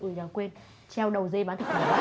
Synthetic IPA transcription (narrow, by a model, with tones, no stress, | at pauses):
ʔɨː˨˧˩zaː˨˩kwe˧n | t͡ɕɛ˧wɗə˨˩wze˧ɓaː˨˦nt̪ʰi˨˩k̚kʰː